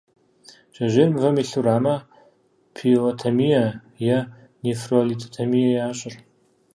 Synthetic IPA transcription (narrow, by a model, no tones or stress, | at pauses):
ʒ̥ɐʒʷeːrmvɐmiɬuɾaːmɐ | pʰiotʰamijɐ | jɐ | nefrolit̪ʰot̪ʰamijajaːɕʼɪr